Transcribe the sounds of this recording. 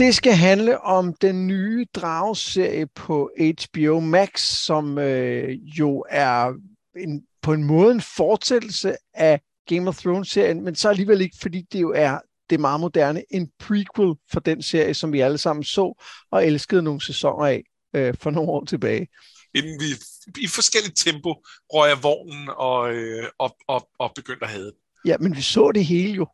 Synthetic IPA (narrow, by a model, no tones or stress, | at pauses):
d̥e̝sɡ̥æɦænləʔɒ̽md̥enːyːd̥ʁɑ̈ʊse̝ɐ̰jəpʰɒ̽e̥ɕb̥ioʊmæɡ̥sːɒ̽møjo̝æɐ | e̝n | pʰɒ̽e̝nmɔ̽ːð̞̩ˠe̝nfɒ̥ːsed̥l̩səæ | ɡ̥emɒθʁoʊnse̝ɐ̰jənmensɒ̽æliːʋele̝ɡ̥əfɒ̽d̥ḭːd̥e̝jo̝æɐ | d̥e̝mɑ̈ːð̞̩ˠmo̝d̥æɐnəʔe̝npʰʁikʰwelfɒ̽d̥ense̝ɐ̰jəsɒ̽mʋiæləsɑ̈m̰n̩sɔ̰̽ːɒ̽elsɡ̥əð̞̩ˠno̝ːŋ̩sesɒ̽ŋ̰ɐɛ̰ | øfɒ̽no̝ːnɒ̰ːt͡sʰe̝b̥ɛːɪ | emn̩ʋi | ifɒ̽sɡ̥el̰id̥̚t͡sʰemb̥o̝̥ʁɒjɑʋɒ̰ːnn̩ɒ̽ɒɒɒb̥e̝ɡ̥øn̰d̥æɦɛːð̞ˠəd̥e | jæmenʋisɔ̰̽ːd̥e̝ɦe̝ːləjo̝